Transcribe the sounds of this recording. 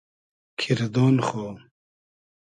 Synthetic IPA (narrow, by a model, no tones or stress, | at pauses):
kʰiɾd̪oːnχoː